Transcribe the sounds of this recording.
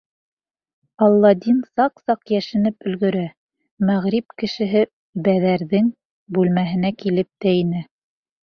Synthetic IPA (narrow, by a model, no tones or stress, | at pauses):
ɑlˠːɑd̪ʲinsɑqsɑqjæʃɘ̆nɘpɵ̆lɡɵ̆ɾæ | mæʁɾip̚kɘ̆ʃɘ̆ɦɘ | bæðæɾðɘŋ | bʉlmæɦɘ̆nækilɘp̚t̪æinɘ